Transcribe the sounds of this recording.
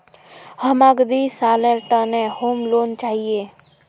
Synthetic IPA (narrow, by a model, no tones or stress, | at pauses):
həmaːɡd̪isaːleɾʈãnehoːmloːnt͡ʃaːɦieː